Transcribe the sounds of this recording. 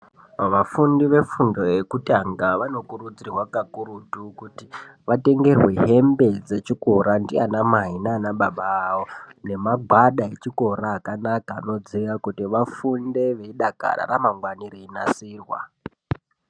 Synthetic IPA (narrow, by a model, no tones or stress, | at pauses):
ʋafundiʋe̞fundo̞jekutaŋɡaʋano̞kurud͡zirwakakuɾutukutiʋate̞ŋɡe̞rwe̞ɦe̞mbe̞d͡ze̞t͡ʃiko̞ɾandianamaɦinanaɓaɓawone̞maɡʱwaɗae̞t͡ʃiko̞raːkanakaːno̞d͡ziʋakutiʋafunde̞ʋe̞iɗaka̰ɾa̰ramaŋɡwanireina̰siːrwa̰